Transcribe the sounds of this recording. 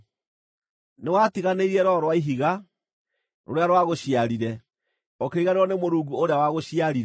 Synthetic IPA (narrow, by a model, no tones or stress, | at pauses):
newatiɣaneiɾiɛɾɔɾwaiɦiɣa | ɾo̰ɾeaɾwaɣoɕiaɾiɾɛ | ɔkeɾiɣaɾeɾɔnemoɾuːɡuoɾeawaɣoɕjaɾiɾ